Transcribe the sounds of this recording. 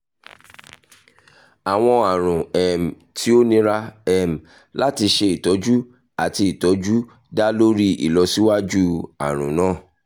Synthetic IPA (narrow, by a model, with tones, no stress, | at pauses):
a˨w̃ɔ̃˧a˨ɾ̃ũ˨ɛ˨m˨tʰi˨˦o˦nĩ˦ɾa˦ɛ˧m̩˨ | la˦ti˧ʃe˧i˨tɔ˨˦d͡ʒu˦ | a˨ti˧i˨tɔ˨˦d͡ʒu˦ | da˦lo˦ɾi˦ḭ˨lɔ˨˧si˦wa˦d͡ʒu˦a̰˨ɾ̃ũ˨nãː˦˨